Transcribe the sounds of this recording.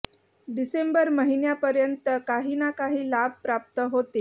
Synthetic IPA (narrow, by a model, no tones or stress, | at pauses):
ɖisembəɾməɦinjapəɾjənt̪əkaɦiːnakaɦiːlab̚pɾap̚t̪əɦot̪e